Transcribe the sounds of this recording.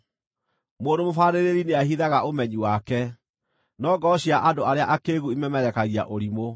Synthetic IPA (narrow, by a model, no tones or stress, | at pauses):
moːndomofaːɾeɾeɾineahiðaɣaʔomɛɲiwakɛ | nɔɡɔɕiaʔadoaɾeaʔakeːɣuimɛmɛɾɛkaɣija̰ʔoɾimo